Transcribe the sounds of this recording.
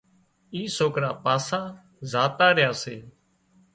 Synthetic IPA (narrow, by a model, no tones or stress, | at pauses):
iːsoːkɾaːpaːsaː | zaːt̪aːɾɪjaːseː